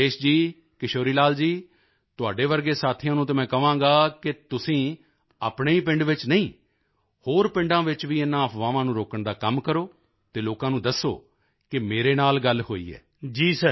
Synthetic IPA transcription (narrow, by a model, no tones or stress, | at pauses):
eːʃd͡ʒiː | kɪʃoːɾiːlaːld͡ʒiː | t̪ʊaːɖeːʋəɾɡeːsaːt̪ʰɪjãːnũːt̪eːmɛ̃ːkəʋãːɡaːkɪt̪ʊsĩː | aːpɳeːiːpɪ̃ɳɖʋɪt͡ʃnəĩː | hoːɾpɪ̃ɳɖãːʋɪt͡ʃʋiːɪnːãːəpʰʋãːʋãːnũːɾoːkəɳd̪aːkəmkəɾoː | t̪eːloːkãːnũːd̪əsːo̰ː | kɪmeːɾeːnaːlɡəlhoːḭːɛ̰ː | d͡ʒiːsə